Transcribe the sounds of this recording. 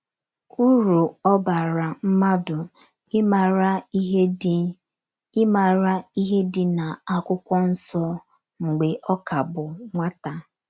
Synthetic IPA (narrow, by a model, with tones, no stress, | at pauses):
u˦ɾu˨ɔ˦ba˨ɾa˨m̩˦ma˦dʊ˨˦˨ | ɾa˦ | ma˨ɾa˦i˦ɦe˦dɪ˨na˨a˦kʊ˦kʷɔ˦n̩˦sɔ˦ | ŋ̩˨ɡ͡be˨ʔɔ˦ka˨bʊ˨ŋʷa˦ta˨